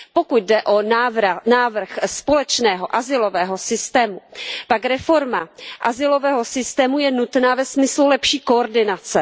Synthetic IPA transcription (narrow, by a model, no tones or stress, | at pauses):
po̞kut̪̚dɛʔo̞vnaːvr̩xspo̞lɛt͡ʃnɛːɦo̞ʔazɪlo̞vɛːɦo̞sɪst̪ɛːmupakɾɛfo̞ɾmaʔazɪlo̞vɛːɦosɪst̪ɛːmujɛnut̪naːvɛsmɪslulɛpʃiːko̞oɾdɪnat͡sɛ